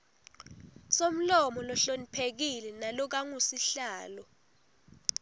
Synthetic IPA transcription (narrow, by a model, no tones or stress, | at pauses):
som̩lɔmɔlɔɬonipʰek̬ilɛnalɔk̬aŋusiɬaːlɔ